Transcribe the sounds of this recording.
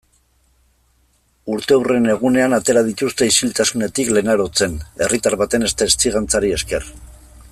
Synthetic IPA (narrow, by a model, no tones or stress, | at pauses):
uɾt̪e̞wre̞ne̞ɣ̞une̞anat̪e̞ɾaðit̪ust̪e̞isilt̪asune̞t̪ikle̞naɾo̞t͡se̞ne̞rit̪aɾβat̪e̞ne̞st̪aːst͡siɣant͡saɾie̞ske̞r